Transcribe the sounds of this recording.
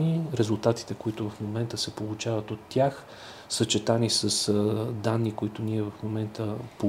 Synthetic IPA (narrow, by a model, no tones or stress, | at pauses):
niɾɛzʊlˠt̪at̪i̥t̪ɛkoit̪ʊvɐfmomɛnt̪əsɛpolˠut͡ʃavət̪ot̪ːjax | sət͡ʃɛt̪anisəsd̪anːikoit̪ʊniɛvɐfmomɛnt̪əpo